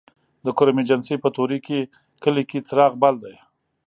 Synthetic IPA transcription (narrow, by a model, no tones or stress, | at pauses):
d̪əkʊɾamed͡ʒansepət̪oɾike | kəlikit͡sɾɑɣbald̪aj